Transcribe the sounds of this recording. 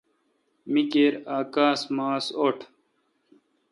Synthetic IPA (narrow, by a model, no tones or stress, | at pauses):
mikeːɾaːkaːsmaːsoʈʰ